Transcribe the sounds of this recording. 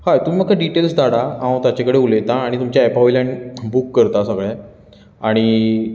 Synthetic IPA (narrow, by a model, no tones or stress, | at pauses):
hajt̪umiməɡkːaɖiʈelsd̪aɽaãw̃t̪at͡ɕekəɽeulet̪ãːɽ̃it̪umt͡ɕjaepaʋilaɳbukːəɾt̪asakɭjã | aɽ̃i